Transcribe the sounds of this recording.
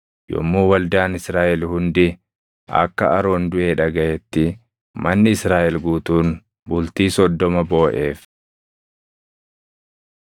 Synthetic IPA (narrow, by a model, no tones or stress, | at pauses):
jɔ̰mːuːwɐld̪aːnɪsɾaːʔɛlhʊnd̪ɪ | ʔɐ̰kːɐ̰ɐɾo̞ːnd̪ʊʔe̞ːᶑɐɡɐjɛt̪ːɪ | mɐnːɪɪsɾaːʔɛlɡuːt̪uːn | bʊlt̪iːsɔd̪ːɔmɐbo̞ːʔe̞ːf